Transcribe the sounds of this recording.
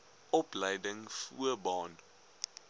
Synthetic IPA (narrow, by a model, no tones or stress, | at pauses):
ʔɔplɛjdəŋfṵəbɑːn